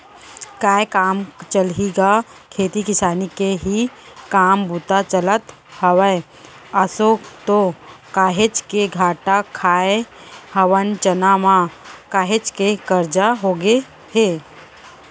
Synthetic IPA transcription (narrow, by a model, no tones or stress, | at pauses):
kaːekaːmt͡ʃəlɦiːɡa | kʰeːt̪ikɪsaːnikeɦikaːmbuːt̪at͡ʃələt̪ | hɐʋəe | əsot̪okaːɦet͡ʃkeɡʱaːʈakʰaːehɐʋənt͡ʃənamãkaːɦet͡ʃkekəɾd͡ʒaɦoːɡe | heː